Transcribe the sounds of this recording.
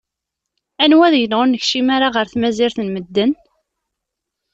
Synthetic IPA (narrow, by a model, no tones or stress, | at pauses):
ænwæðjənʁʊnːəçʃimaɾaʁəɾθmæziɾθənməd̪ːən